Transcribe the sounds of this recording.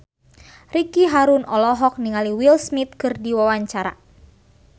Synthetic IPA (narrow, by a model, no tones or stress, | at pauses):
rikiɦaɾunɔlɔɦɔk̚niŋaliwilsmit̪̚kɨrdiwawaɲt͡ʃaɾa̰